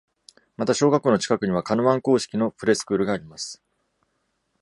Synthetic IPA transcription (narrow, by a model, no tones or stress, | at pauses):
mat̪aɕo̞ːɡakːoːno̞t͡ɕi̥kakɯ̟ɲ̟iβ̞akanoβãŋko̞ːɕi̥kʲino̞pɯ̟ɾe̞sɨ̥kɯ̟ːɾɯ̟ɡaːɾʲimasɨ̥